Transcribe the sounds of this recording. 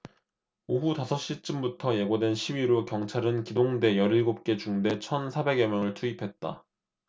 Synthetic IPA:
oɦutasʰʌɕ͈it͡ɕ͈ɯmbutʰʌje̞ɡodwe̞nɕʰibiɾokjʌŋt͡ɕʰaɾɯnkidoŋde̞jʌɾiɭɡop̚k͈e̞t͡ɕuŋde̞t͡ɕʰʌnsʰabe̞ɡemjʌŋɯɭtʰuipʰe̞t̚t͈a̰

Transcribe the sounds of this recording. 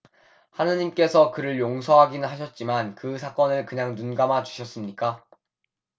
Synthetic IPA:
hanɯɲimk͈e̞sʰʌkɯɾɯɭjoŋsʰʌɦaɡinɯɭɦaɕʰʌt̚t͡ɕ͈imankɯsʰak͈ʌnɯɭkɯɲaŋnunɡamat͡ɕu̥ɕʰʌs͈ɯmɲik͈a

